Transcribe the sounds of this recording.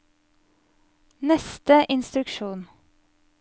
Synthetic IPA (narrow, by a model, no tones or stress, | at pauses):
nɛst̪əʔɪnst̪ɾʉkʃuːn